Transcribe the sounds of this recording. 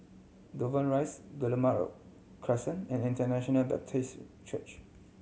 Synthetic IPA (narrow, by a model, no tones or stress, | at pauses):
ɡɔvə̃nɹajsɡuləmaɹo̰ | kʰɹasə̃nɛ̃nĩntənɛʃɔ̃nəlbɛ̰p̚tʰist͡ʃət͡ʃ